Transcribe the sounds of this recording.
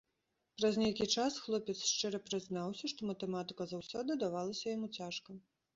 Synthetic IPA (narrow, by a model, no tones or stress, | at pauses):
pɾɐzʲnʲejkʲit͡ʂasxlˠɔpʲɛt̪sʂt͡ʂɨɾɐpɾɨznawsʲɐʂt̪ɔmɐt̪ɛmat̪ɨ̥kɐzawsʲɔd̪ɨd̪avalˠɐsʲɐjamut͡sʲaʂkɐ